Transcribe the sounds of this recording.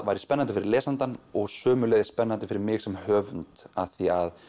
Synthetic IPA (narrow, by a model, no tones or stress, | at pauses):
vaːjɾɪspɛnːant̪ɪfɪɾɪɾlɛːsant̪anɔɣsœːmʏlɛːðɪ̥spɛnːant̪ɪfɪɾɪɾmɪːɣsɛmhœːvʏnt̪aθiað